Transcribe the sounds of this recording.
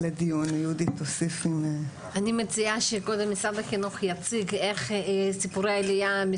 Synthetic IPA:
led̪ijunjud̪it̪osifime | animet͡siaʃeko̞d̪emːisad̪akinuχjat͡siɡe̞χsipuɾejaelijami

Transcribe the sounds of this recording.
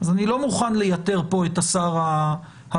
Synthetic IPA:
azanilo̞muχanlejat̪e̞ʁpo̞etasaʁa | ha

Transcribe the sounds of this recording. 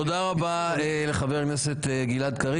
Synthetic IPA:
od̪aʁabaele̞χaveʁkneset̪eɡilad̪kaʁi

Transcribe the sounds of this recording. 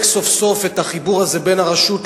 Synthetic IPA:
kso̞fso̞fetaχibuʁhaze̞benaʁaʃut

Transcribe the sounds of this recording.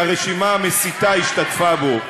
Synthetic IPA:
aʁeʃimaamesit̪aiʃtat̪fabo̞

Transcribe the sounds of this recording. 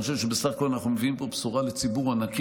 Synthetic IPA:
ʃ̬eʃebesaχako̞lanaχnumeviimpo̞psuʁalet͡sibuʁanak

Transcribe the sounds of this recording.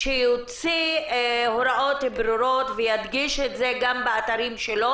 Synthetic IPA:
ʃejot͡si | hoɾaʔo̞t̪bɾuɾo̞t̪vejad̪ɡiʃetzeɡambeat̪aɾimʃelo̞

